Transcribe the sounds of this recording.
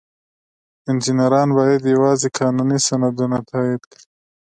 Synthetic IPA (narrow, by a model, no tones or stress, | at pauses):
ɪnd͡ʒinɐɾɑːnbɑːjɐd̪jɐwɑːzikʰɑːnunisɐnɐd̪unat̪ʰaːid̪kɾi